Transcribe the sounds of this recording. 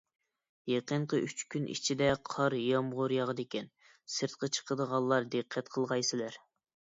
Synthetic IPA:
jeqəɴqʰəʔyt͡ʃkʲynʔḭt͡ʃʰid̪ɛqʰɑɾjɑmʁʊɾjɑʁəd̪ekʲʰɛn | sɨɾt̪̚qʰət͡ʃʰə̥qʰəd̪əʁɑlˠːɑɾd̪eqʰːɛt̪qʰəlˠʁɑjsɪlæɾ

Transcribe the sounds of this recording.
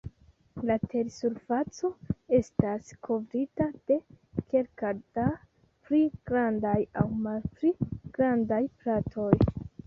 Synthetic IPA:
latʰe̞ɾsuɾfat͡so̞e̞staskʰo̞vɾitad̥e̞ | ke̞lkad̥a | pɾiɡ̥ɾandajawmalpɾiɡ̥ɾandajplatʰo̞j

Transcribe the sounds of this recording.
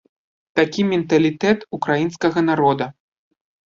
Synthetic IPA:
t̪akʲimʲɛnt̪ɐlʲit̪ɛt̪ukɾajinskɐɣɐnaɾɔd̪ɐ

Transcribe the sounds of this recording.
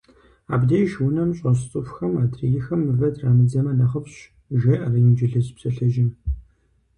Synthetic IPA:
a̰ːbdɐjʒwʊnɐmɕʼɐɕ̬t͡sʼɨfxɐmaːdrijɪxɐmɨvɐdraːmɨd͡zɐmɐnɐχəpɕ | ʒɐʔɐrɐjɪmd͡ʒɪɮɨzpsɐɬɐʒɪn

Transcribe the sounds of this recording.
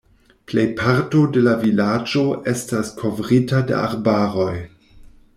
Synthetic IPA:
plejpʰaɾto̞de̞lavilad͡ʒo̞ʔe̞staskʰo̞vɾitadḛa̰ɾbaɾo̞j

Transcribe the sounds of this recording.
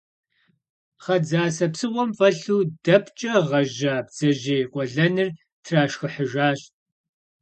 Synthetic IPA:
χɐd͡zaːsɐpsɨwʷɔmfɐɬuːdɐpʰt͡ʃʼɐʁɐʒaːbd͡z̥ɐʒeːqʷʼɔɮɐnɨr | tʰraːʃxɨħəʒaːɕ

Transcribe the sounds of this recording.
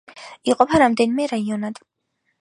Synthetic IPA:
iqʼɔpʰaɾamd̪ɛnimɛɾaiɔnad̪̥

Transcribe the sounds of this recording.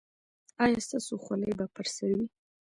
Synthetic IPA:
ɑjast̪asoχʷalajbapʰaɾsaɾwi

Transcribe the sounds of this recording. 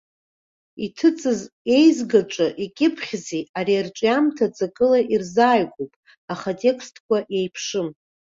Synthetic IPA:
itʰɨt͡sʼɨze̞jzɡaʈ͡ʂʼɨʔikʲʼɪpʰχʲziaɾiarʈ͡ʂʼjamtʰat͡sʼakʼɨlaʔirzaːjkʷʼupʼ | aχatʼe̞kʰstʰʼkʷaʔjejpʰʂɨm

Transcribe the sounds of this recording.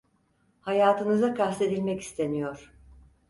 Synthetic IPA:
hajaːt̪ʰɯnɯzakʰast̪ʰe̞d̪ilʲmɛci̥st̪ʰe̞nijoɾ̥

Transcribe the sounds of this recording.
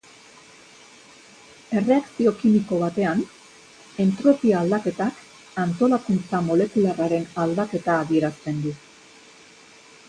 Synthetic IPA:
e̞re̞aksio̞kimiko̞β̞at̪e̞an | e̞nt̪ɾo̞piaːld̪ake̞t̪ak | ant̪o̞lakunt͡samo̞le̞kularaɾe̞nald̪ake̞t̪aːðie̞ɾast̪e̞nd̪u

